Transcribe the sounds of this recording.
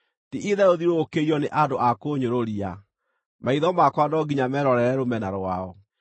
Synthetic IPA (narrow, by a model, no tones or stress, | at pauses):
tiʔiðɛoðiɾoːkeiɔneʔadoʔakoɲoɾoɾia | maiðɔmakwadɔɡiɲamɛɾɔɾɛɾɛɾomɛnaɾwaɔ